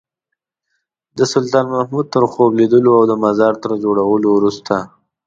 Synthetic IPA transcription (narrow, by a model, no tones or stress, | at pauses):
d̪əsʊlt̪ɑnmahmud̪̚t̪əɾxobled̪əloawd̪əmazɑɾt̪əɾd͡ʒoɽawəlowɾust̪a